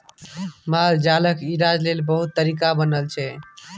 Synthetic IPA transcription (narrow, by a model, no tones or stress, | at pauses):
mald͡ʒaləkiɾad͡ʒlelbəɦut̪ːəɾikabənəlt͡ʃʰɛ